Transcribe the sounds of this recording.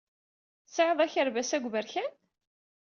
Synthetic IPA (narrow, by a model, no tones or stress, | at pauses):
sʕəðˤæçəɾvæsæɡʷvəɾçæn